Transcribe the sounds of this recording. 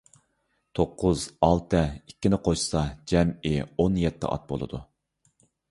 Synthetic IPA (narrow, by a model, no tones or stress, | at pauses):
t̪ʰoqʰːʊzɑlˠt̪ʰɨikʲːɪnɪqʰoʃsɑd͡ʒɛmɪonjɛt̪ʰːɪ̰ʔɑ̰t̪̚bo̰lˠɨ̰d̪u